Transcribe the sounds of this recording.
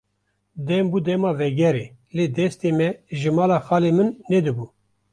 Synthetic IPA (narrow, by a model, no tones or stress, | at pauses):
d̪ɛmbuːd̪ɛmɑːvɛɡɛɾeː | leːd̪ɛst̪emɛʒɨmɑːlɑːxɑːlemɨnːɛd̪ɨbuː